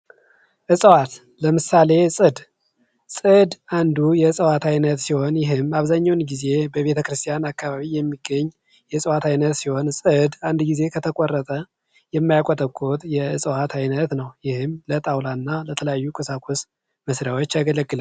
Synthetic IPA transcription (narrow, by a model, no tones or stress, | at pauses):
ʔɨsʼwat̪ | ləmɨsale̞sʼɨd̪ | sʼɨd̪and̪ujɛsʼəwat̪ʰajnət̪siho̞njɪɦɨmaβzaɲːawnɡize̞bəβe̞t̪ʰəkɾɨst̪ʰʼijanakʰːaβaβijɛmːiɡəɲː | jɛsʼəwat̪ʰajnət̪siho̞nsʼɨd̪and̪ɡize̞kʰət̪ʰəkʼɔrːət̪ʼə | jɛmːajakʼot̪ʼəkʼːot̪ʼjɛɨsʼəwat̪ʰajnət̪nəwjɪhɨmlət̪ʼawlanːalət̪ʰələjajːukʼɨsakʰus | məsɾjawo̞t͡ʃːaɡələɡɨlal